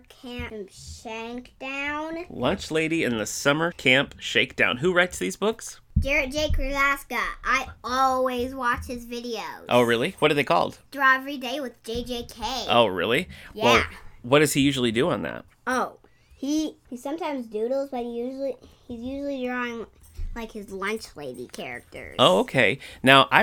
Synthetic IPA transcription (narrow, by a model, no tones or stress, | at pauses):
kʰæ̃mʃæ̃ŋkd̥ãʊ̃nlʌ̃nt͡ʃleɪɾiɨ̃nðɨsʌmə˞kʰæ̃mpʃeɪk̚d̥ã̰ʊ̃nɦuɹaɪtsðizbʊks | d̥ɛɹɨd̥ʒ̥eɪkʰɹ̥ɨlæskəʔaɪɔlˠwizwɑt͡ʃhɨzvɪɾioʊʔo̰ʊɹɪlˠiwʌt̚d̥ə˞ðeɪkʰɔ̰lˠd̥d̥ɹaɛvəɹideɪwɨðd͡ʒeɪd͡ʒeɪkʰeɪʔo̰ʊɹɪ̰lˠijwɛlˠwʌt̚d̥ʌz̥ijʉʒl̩ˠidɨə̃nðæ̰t̚ | oʊ | ihiz̥sʌ̃mtʰãɪ̃mzdʉɾl̩ˠzbʌt̚hijʉʒl̩ˠihizjʉʒl̩ˠidɹɔɪ̃ŋ | laɪkhɨzlʌ̃nt͡ʃleɪɾikʰɛ̰ɹɨ̰k̚tʰə̰˞oʊoʊkʰeɪnaʊʔa̰ɪ